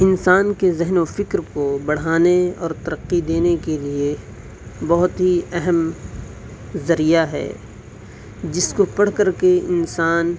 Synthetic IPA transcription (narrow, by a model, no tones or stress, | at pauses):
ɪnsaːnkezɛɦnofɪkɾkobɐɽ̤aːneɔ̰ːɾt̪ɐɾəqːid̪eːnekelie | bɔɦʊt̪ɦiɛɦɛm | zɐɾijaɦɛ̰ː | d͡ʒɪskopɐɽ̤kɐɾkeɪnsaːn